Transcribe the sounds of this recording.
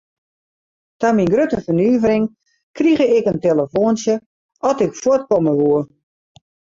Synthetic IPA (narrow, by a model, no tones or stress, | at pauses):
taminɡrøtəfənyːvərɪŋ | kriɣəɪkənteləfoənsjə | ʔɔtɪkfwot̚kɔməʋuə